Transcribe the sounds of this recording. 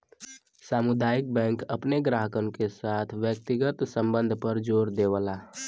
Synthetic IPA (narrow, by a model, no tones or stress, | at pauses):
saːmʊd̪aːik̚bɛ̃ːŋkəpneɡɾaɦəkənkesaːt̪ʰʋjək̚t̪iɡət̪sə̃mbənd̪ʱpəɾd͡ʒoːɾd̪ewəla